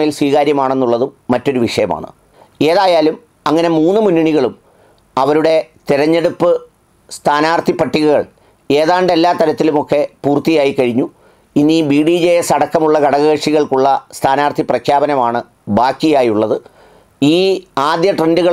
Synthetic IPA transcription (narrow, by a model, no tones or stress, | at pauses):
ɐjilswiːɣaːɾjɐmaːɳe̞nːuɭːɐðuːɐtːo̞ɾuʋiʂɐjɐma̰ːɳɨ̰ | e̞ːðaːjaːlum | ɐŋːɐne̞muːnːɨmunːuɳiɣɐɭum | ɐʋɐɾuɽe̞t̪iɾɐɲːe̞ɽupːɨ | st̪ʰaːnaːrt̪ʰipːɐʈːiɣuɣɐɭ | e̞ːðaːɳɖe̞lːaːt̪ɐɾɐt̪ːilumo̞kːe̞puːrt̪ijaːjikɐɻiɲːu | inːibiːɽiːd͡ʑeesɐɽɐkːɐmuɭːɐkɐɽɐɣeːʂiɣɐɭkuɭːɐst̪ʰaːnaːrt̪ʰiprɐkʰjaːbɐnɐmaːɳɨ | baːkːijaːjuɭːɐðɨ | iːaːd̪jɐʈrenduɣɐɭ